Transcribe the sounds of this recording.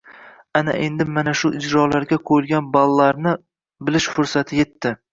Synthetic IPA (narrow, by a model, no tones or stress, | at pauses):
ana̰ʔe̞nd̪ɪmanaʃʊʔɪd͡ʒɾɒlaɾɡʲaqʰojɪlˠɡʲanbalˠːaɾnɪ | bɪlɪʃfʊɾsat̪ʰɪje̞t̪ʰːɪ